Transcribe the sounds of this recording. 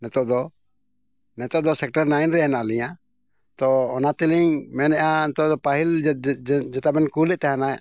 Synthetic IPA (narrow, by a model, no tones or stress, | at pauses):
nɛt̪ɔʔd̪ɔ | nɛt̪ɔʔd̪ɔsɛk̚ʈaɾnajnɾɛanaliɲa | t̪ɔːnat̪ɛliɲmɛnɛʔanɛt̪ɔʔd̪ɔpaɦil | d͡ʒɛt̪abɛnkulɛt̪ɛɦana